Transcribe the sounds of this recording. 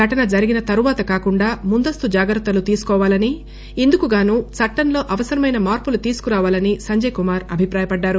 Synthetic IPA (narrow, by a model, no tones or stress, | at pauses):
ɐʈɐnɐd͡ʒɐɾiɡinɐt̪ɐɾuʋaːt̪ɐkaːkuɳɖaːmund̪ɐst̪ud͡ʒaːɡɾɐt̪ːɐlut̪iːsu̥kɔːʋaːlɐni | ind̪ukuɡaːnuːt͡sɐʈːɐnlo̞ːʔɐʋɐsɐɾɐmɐjnɐmaːɾpulut̪iːsu̥kuɾaːʋaːlɐnisɐɲd͡ʒɐjkumaːɾɐbʱipɾaːjɐpɐɖːaːɾu